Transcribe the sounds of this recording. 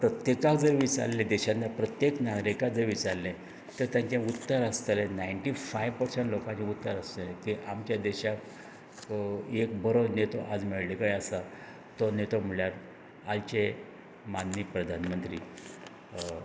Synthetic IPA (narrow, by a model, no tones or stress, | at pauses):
pɾət̪jekakd͡zəɾʋit͡sa̰ɾlẽd̪ɛɕanːapɾət̪jeknaɡɾikad͡zəɾʋit͡saɾlːẽ | t̪əɾt̪jãɲt͡ɕãut̪ːəɾast̪əlenajɳʈifajʋpəɾsəɳʈlokãɲt͡ɕẽut̪ːəɾəst̪əlẽt̪iʔamt͡ɕjad̪ɛɕak | ek̚bəɾonet̪oʔad͡zmeɭlikajəsa | t̪onet̪om̤əɭjaɾ | alt͡ɕe | manːipɾəd̪ʱanmənt̪ɾiː